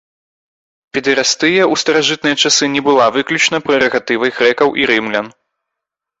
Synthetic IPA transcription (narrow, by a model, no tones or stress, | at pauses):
pʲɛd̪ɨɾast̪ɨjɛust̪ɐɾaʐɨt̪̚nɨjɐt͡ʂasɨnʲɛbɨlˠavɨklʲut͡ʂnɐpɾɨɾɐɣat̪ɨvɐjɣɾɛkɐwʔiɾɨmlʲɐn